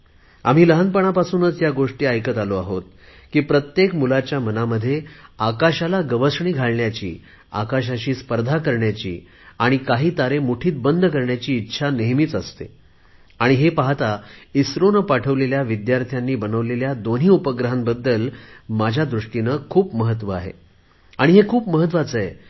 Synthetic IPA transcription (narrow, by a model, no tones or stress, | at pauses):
a̰m̤iːləɦənpəɳ̃apasuːnət͡sjaɡoʂʈiːajkət̪aloaɦot̪̚ | kiːpɾət̪jekmulat͡ɕjamənaməd̪ʱːjeakaɕalaɡəʋəsɳiːɡʱaɭɳjat͡ɕḭː | a̰kaɕ̬aɕiːspəɾd̪ʱakəɾɳjat͡ɕḭː | aɽ̃ikaɦiːt̪aɾemuʈʰiːt̪̚bənd̪ʱkəɾɳjat͡ɕiːtːɕʰaneɦmiːt͡səst̪ḛ | aɽ̃iɦepaɦt̪aisɾonəpaʈʰəʋleljaʋid̪jaɾt̪ʰjanːiːbənəʋleljad̪on̤iːupəɡɾəɦambəd̪ːəlmad͡ʑʱjad̪ɾuʂʈinəːkʰuːpməɦət̪ʋəa̰ɦḛ | aɽ̃iɦekʰuːpməɦət̪̬ʋat͡səɦe